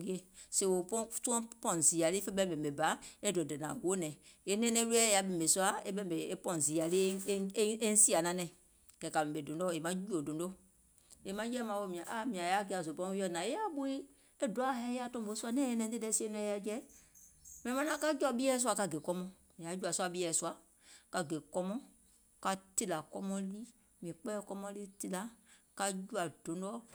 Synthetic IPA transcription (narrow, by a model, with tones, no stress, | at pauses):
i˦e˦se˨wo˨ptu˦ɔ̃˦pɔ̃˦˨n˨zi˨a˨li˦fe˦bɛ̃˦˨bɛ˨be˨ba˨˦e˦do˨dɛ˨nã̰˨ɡo˦nɛ̃˨e˦nɛ̃˦nɛ̃˦u˦ɛ˦ja˨˦be˨m˨e˨su˦a˦e˦bɛ˦m˨be˨e˦pɔ̃˦˨n˨zi˨a˨li˦e˦n̩˦si˦a˨nã˨˦nɛ̃˨ | kɛ˨ka˨mɛ̃˨be˨dõ˨ndo˦˨e˨mã˦d͡ʒu˦o˨dõ˨ndo˦ | e˨mã˦d͡ʒɛ˦mã˨˦wo˦˨mĩ˨ã˨ʔa˦˨mĩ˨ã˨ja˦k̬e˦a˨zo˨pɔ̃˦i˦ɔ˦˨nã˨e˦a˦bu˦i˦ | ɛ˦do˨a˦ɦɛ˦ja˦tɔ̃˦m˨bo˨˦su˦a˦nɛ̃˦jɛ˦nɛ̃˨˦e˦dɛ˦si˦e˦nũ˦ɛ˦ja˦d͡ʒɛ˦ | m˨ɛ̃˨mã˦nã˦ka˦d͡ʒɔ˦bi˦ɛ˦s̬wa˧ka˦ɡe˨kɔ˦mɔ̃˦ | mɛ̃˨a˨˦d͡ʒu˦a˨su˦a˦bi˦ɛ˨su˦a˦ | ka˨ɡe˨kɔ˦mɔ̃˦ | ka˨˦ti˦la˨kɔ˦mɔ̃˦li˦ | mi˨ĩ˨k͡pɛ˦kɔ˦mɔ̃˦li˦ti˦la˨ka˦d͡ʒu˦a˨do˨ndɔ˦